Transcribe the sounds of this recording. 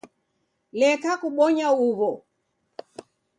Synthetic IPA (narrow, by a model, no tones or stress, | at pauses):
lɛkakuɓɔɲauβɔ